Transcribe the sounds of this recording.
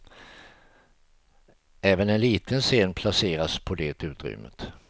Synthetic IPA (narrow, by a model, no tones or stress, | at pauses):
ɛːvənɛnliːt̪ʰənseːnpʰlaseːɾaspʰɔd̪ɛːt̪ʉ̟ːt̪ɾʏ̰mːə̰t̪